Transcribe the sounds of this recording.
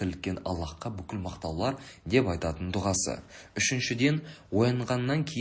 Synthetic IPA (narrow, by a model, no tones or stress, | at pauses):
ɪlɪkʲːe̞nɑ̰lˠːɑqːəbʏkʲɪlmɑqt̪ɑwlˠɑɾd̪e̞pɑjt̪ɑt̪ənd̪ʊʁɑsə̰ʏʃɪnʃɪd̪e̞nwo̞jəɴʁɑnːɑŋkʲʰe̞j